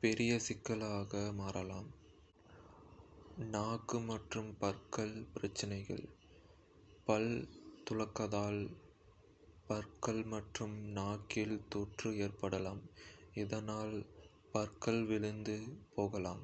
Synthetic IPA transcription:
pɛɾɪjɐsɪkːɐlaːɣɐmaːɾɐlaːm | naːkːɯmɐʈrɯmpɐrkɐɭpɪɾɐt͡ʃːɪnɐɪɣɐ̰ɭ | pɐlt̪ʊɻɐkːɐðaːl | pɐɾkɐɭmɐʈrɯmnaːkɪlt̪oːʈrɯeːrpɐɽɐlaːmɪðɐnaːl | pɐɾkɐlʋɪɭɯnd̪ɯpoːɣɐlaːm

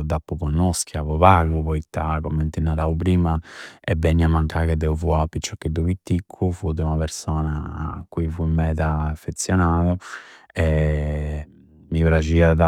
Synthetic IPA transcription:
d̪apːukɔnːɔskiavɔvaːɡupɔit̪ːakomːent̪inːaɾaupɾiːmaɛbɛnːiamːaŋkaked̪ːɛufuapːit͡ʃːɔkːed̪ːovit̪ːikʰːufud̪eunapeɾsɔːnakuifuimɛd̪aːfːet̪sjɔnaːðɔ | ɛ | mipɾat͡ʃiaða

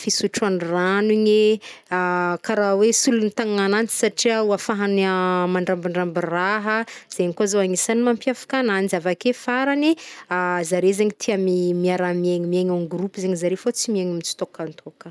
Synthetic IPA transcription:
fisuʈ͡ʂanraniɲeakaɾawesulunit̪aŋŋanant͡si̥saʈ͡ʂiauafaɦanamaɳɖ͡ʐambiɳɖ͡ʐambiraɦəz̥eɲikazoaŋisanimampjafḁkananizavakefaɾaniazaɾezeɲit̪ʰiamimiaɾamieɲimieɲaŋɡrupuzeɲizaɾefot͡simieɲamit͡si̥t̪okant̪ʰokə̥

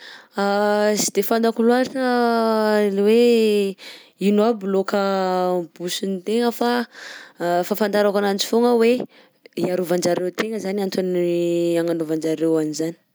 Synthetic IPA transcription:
asi̥d̪efand̪akulaɾʈ͡ʂə | elwe | inuablokəbusunit̪eŋəfa | fafand̪aɾakanant͡si̥foŋəwe | iaɾovand͡ʒaɾewt̪eŋəzaniant̪aniaŋanovand͡ʒaɾewanizani̥

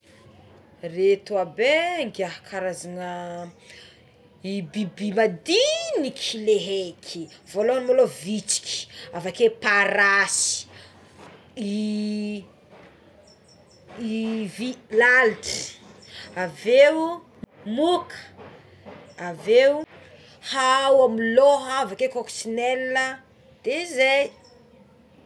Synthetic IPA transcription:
ret̪uabeŋɡaɦkʰaɾazanə | ibibimad̪inikʰileɦekʰivoloanmolovit͡si̥kʲi̥avakepaɾasi̥ | i | vilalʈ͡ʂi̥ | avew | mukʰə̥ | avew | hawamiloɦəavakekoksinelːə | d̪̥ezej

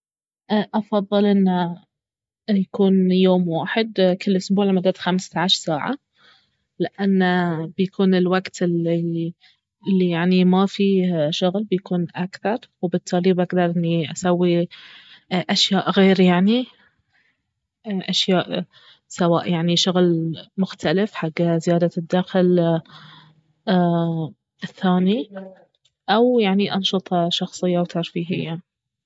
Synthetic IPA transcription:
ʔʔɑfɑðˤːɨlʔɪnːa | jakuːnjoːmwaːħɪd̪kɪlːʔʊsbuːʕlamad̪ad̪xamst̪aʕaʃɾsaːʕa̰ | lɪʔanːab̥jakʰuːnɪlwaɡt̪ɪli | ɪlːijaʕnimafiʃʊɣlbjakuːnʔakθɑɾˤwbɪt̪ʰːaːlibʔaɡd̪ɑɾˤʔɪnːiʔasawːi | ʔaʃjaːʔɣeːɾjaʕni | ʔaʃjaːʔ | sawaːʔjaʕniʃʊɣlmʊxt̪alɪfħaɡːzɪjaːd̪ad̪ːaːxɪl | ɪθːaːni | ʔawjaʕniʔɑnʃɨt̪ˤɑʃɑxsˤɨjːawt̪ʰɑɾfiːɦɪ̰jːa

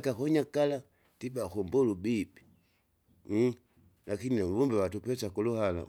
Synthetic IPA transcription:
kakɔɲakala | tibakumbɔlubipi̥ | lakiniulumbɛwatupɛsakuluhala̰

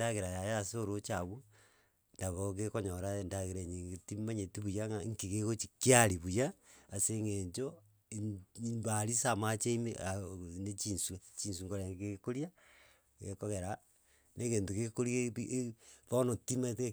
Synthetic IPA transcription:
aɣeɾajajasoɾot͡ʃaβu | ndaβokekoɲoɾandaɣeɾeɲiɡetimaɲetiβujaŋaŋkiɣeɣot͡ʃi̥kiaɾiβujaːseŋeɲt͡ʃo | nbaɾisamat͡ʃeimeʔanet͡ʃiːnsut͡ʃinsuŋɡoɾeŋkekoɾja | ɣḛkoɣeɾa | nʔekeːntoɣekoɾieʔβonotimate

